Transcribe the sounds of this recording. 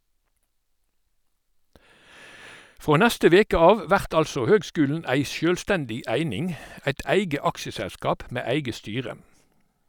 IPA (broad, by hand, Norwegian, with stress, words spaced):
ˈfʁoː ˈnɛstə ˈʋeːkə ˈɑːʋ ə ˈʋæʁt ˈɑlsɔ ˈhøːɡˌskʉːln̩ ˈæɪ ˈsjøːlˌstɛndɪ ˈæɪnɪŋ ˈæɪt ˈæɪɡə ˈɑkʃəsæˌskɑːp ˈmeː ˈæɪɡə ˈstyːʁə